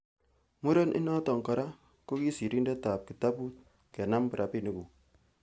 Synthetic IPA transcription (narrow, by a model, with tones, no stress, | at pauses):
mu˦ɾe˦nʔḭ˦na˦tɔ˨ŋkɔ˨ɾa˦ | ko˦ki˦si˨ɾi˦nde˦ta˨p̚ki˨ta˦pu˦t̚ | ke˨na˦mpɾʔa˨pi˦ni˨ku˨